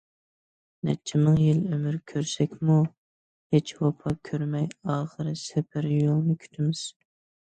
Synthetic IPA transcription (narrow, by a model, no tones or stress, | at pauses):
nɛ̰t͡ʃʰɪmɨŋjɪlømyɾkʲʰøɾsɛkʲmu | het͡ʃwɑpʰɑkʲʰøɾmɛjɑːχəɾɨsɛpʰɪɾjolˠnɨkʲʰy̥t̪ʰɪmɪz̥